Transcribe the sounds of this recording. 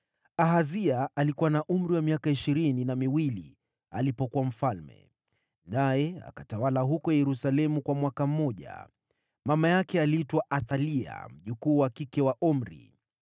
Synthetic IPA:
aɦaziaʔalikuwanaʔum̩ɾiwamiakaiʃiɾininamiwili | alipɔkuam̩falmɛ̰ | najɛa̰katawalaɦukɔjɛɾusalɛmukwamwakam̩mɔʄa̰ | mamajakɛaliitwaʔaθalia̰m̩ʄukuːwakikɛwaʔɔm̩ɾḭ

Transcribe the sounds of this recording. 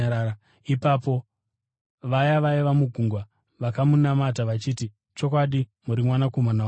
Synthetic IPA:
ipapo̞ | ʋajaʋajiʋamuɡʱuŋɡwa | ʋakamunamataʋat͡ʃiːti | t͡ʃo̞k̬waɗimuɾimwanakomana

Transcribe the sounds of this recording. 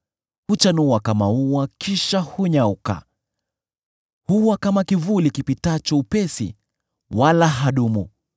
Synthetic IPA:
hut͡ʃanuwakamauwakiʃahuɲauka̰ | huwakamakivulikipitat͡ʃɔupɛsḭ | walaɦaɗumṵ

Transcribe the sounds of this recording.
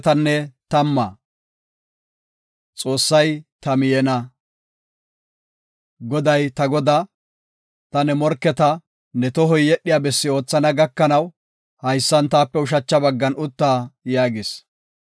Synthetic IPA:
t̪ɐnːɛt̪ɐmːɐ | t͡sʼo̞ːsːɐjt̪ɐmɪjɛnɐ | ɡɔd̪ɐjt̪ɐɡɔd̪a | t̪ɐnɛmɔɾkːɛt̪ɐ | nɛt̪ɔɦɔjːɛɗːɪjaːbɛsːɪo̞ːt͡sːɐnɐɡɐkːɐnɐw | hɐjsːɐnt̪aːpːɛʊʃ̬ɐt͡ʃːɐbɐɡːɐnʊt̪ːaːjaːɡɪs

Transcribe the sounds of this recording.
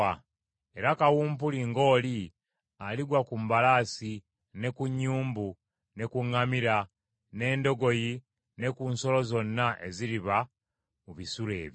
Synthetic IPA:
a | e̞ɾakawuːmpuliŋɡo̞ːli | aliɡwakumbalaːsi | ne̞kuɲːuːmbu | ne̞kuŋːamiɾa | ne̞ːndo̞ɡo̞ji | ne̞kunso̞lo̞zo̞nːaʔe̞ziɾiβa | muβisuɾe̞̰ːβj

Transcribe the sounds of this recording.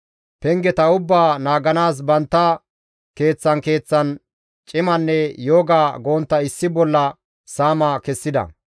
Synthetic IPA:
pɛŋɡɛt̪ɐʊbːaːnaːɡɐnaːs̬bɐnt̪ːɐ | ke̞ːt͡sːɐnke̞ːt͡sːɐn | t͡ʃʼɪmɐnːɛjoːɡaːɡo̞ːnt̪ːɐɪsːɪbɔlːɐ | saːmɐkɛsːɪd̪ɐ̰

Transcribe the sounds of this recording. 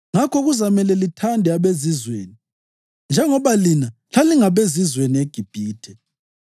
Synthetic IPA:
ŋakʰɔɣuzamɛlɛlitʰandʱɛaβezizweːni | nd͡ʒʱɛŋɔβalinaɬaliŋaβezizwenieɡ̥ʱib̥ʱiːtʰɛ

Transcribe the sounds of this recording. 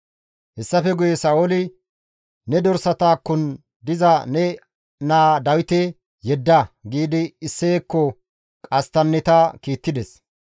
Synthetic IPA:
hɛsːɐfɛɡʊjɛsɐolɪ | nɛd̪ɔɾsɐt̪aːkːʊn | d̪ɪzɐnɛ | naːd̪ɐwɪt̪ɛ | jɛd̪ːɐɡiːd̪ɪɪsːeːkːɔ | kʼɐst̪ɐnːɛt̪akiːt̪ːɪd̪ɛs

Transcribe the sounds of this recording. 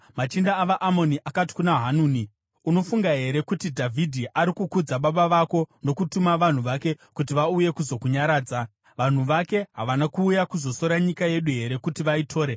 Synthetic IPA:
mat͡ʃindaːʋaʔamo̞niʔakati̥kunaɦanuːni | uno̞fuŋɡaɦe̞ɾe̞kutidʱavʱidʱiʔaɾikukud͡zaɓaɓaʋako̞no̞kutumaʋan̤uʋake̞kutiʋauje̞kuzo̞kuɲaɾaːd͡za | ʋan̤uʋake̞ɦaʋanakuːjakuzo̞so̞ɾaɲikaje̞ɗuɦe̞ɾe̞kutiʋaitʰo̞ːɾe

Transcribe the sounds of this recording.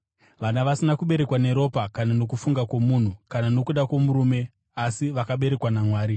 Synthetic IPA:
ʋanaʋasinakuɓe̞ɾe̞kwane̞ɾo̞pakanano̞k̬ufuŋɡakwomun̤ukanano̞kuɗakwomuɾuːme̞ | asiʋakaɓe̞ɾe̞kwanamwaːɾi

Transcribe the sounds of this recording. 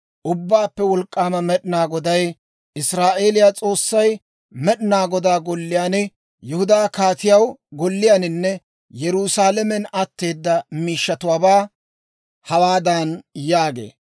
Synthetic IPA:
ʔʊbːaːpːɛwɔlkʼːaːmɐmɛɗɪnaːɡɔd̪ɐj | ʔɪsɾaːʔe̞ːlɪjat͡sʼo̞ːsːɐj | mɛɗɪnaːɡɔd̪aːɡɔlːɪjaːnɪ | jɛhʊd̪aːkaːt̪ɪjɐwɡɔlːɪjanɪnːɛ | jɛɾuːsaːlɛmɛnɐt̪ːe̞ːd̪ːɐmiːʃːɐt̪ʊwaːbaː | hɐwaːd̪ɐnjaːɡe̞̰ː

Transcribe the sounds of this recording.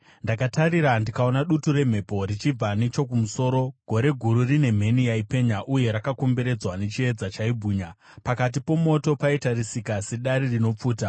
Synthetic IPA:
ndakataɾiɾandikao̞naɗutuɾe̞m̤e̞po̞rit͡ʃib͡vanet͡ʃo̞kumuso̞ːɾo̞ɡ̥ʱo̞ɾe̞ɡʱuɾurine̞m̤e̞niaipe̞ɲaʔuje̞ɾakako̞mbe̞ɾe̞d͡zwane̞t͡ʃie̞d͡zat͡ʃaibʱuːɲa | pakat̬ipo̞mo̞to̞paitarisikase̞ɗaɾirino̞p͡fuːta

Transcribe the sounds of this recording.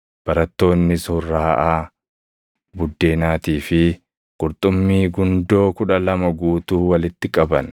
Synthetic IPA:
b̥ɐɾɐt̪ːo̞ːnːɪsʊrːaːʔaː | bʊd̪ːe̞ːnaːt̪iːfɪ | kʼʊɾt̪ʼʊmːiːɡʊnd̪o̞ːkʊᶑɐlɐmɐɡuːt̪uːwɐlɪt̪ːɪkʼɐbɐn

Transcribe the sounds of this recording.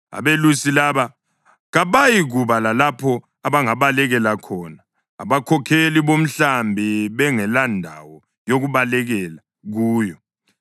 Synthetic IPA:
a̰βelusilaβa | ɣaβajiɣuβalalapʰɔ | aβaŋaβalɛɣɛlakʰɔːna̰ː | βakʰɔkʰeliβom̩ɬambʱiβɛŋɛlandʱawɔ | joɣuβalɛɣɛla | ɣuːjɔ

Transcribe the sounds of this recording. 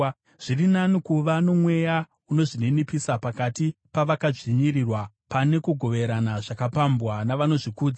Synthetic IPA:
ʐ̥irinanikuʋano̞mwe̞ja | uno̞ʐinenipisapakatipaʋakaʐiɲirirwa | pane̞kuɡʱo̞ʋe̞ɾanaʐakapambwanaʋano̞ʐikuːd͡za

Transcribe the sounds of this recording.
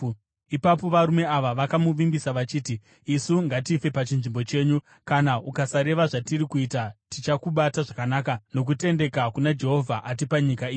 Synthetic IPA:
ipapo̞ʋaɾume̞aʋaʋakamuʋimbisaʋat͡ʃiːtiː | suŋɡatife̞pat͡ʃinʐimbo̞t͡ʃe̞ːɲu | kanaukasaɾe̞ʋaʐatiɾikuitatit͡ʃakuɓataʐakanaːkano̞k̬ute̞nde̞kakunad͡ʒe̞ɦo̞vʱaʔat̬ipaɲikaiːi

